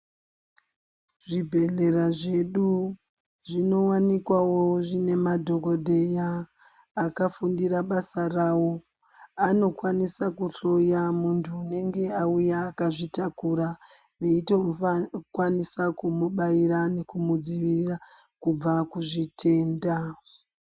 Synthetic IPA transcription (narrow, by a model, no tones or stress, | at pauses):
ʐibʱe̞ɮe̞ɾaʐe̞ɗu | ʐino̞wanikwawoʐine̞madʱo̞ko̞dʱe̞jaː | kafundiɾaɓasarawo̞ | ano̞kwanisakuɬo̞jamuntʰuːne̞ŋɡe̞aujaːkaʐitakuɾaʋe̞ito̞kwanisakumuɓaiɾane̞kumud͡ziʋirakub͡vakuʐitʰe̞ːnda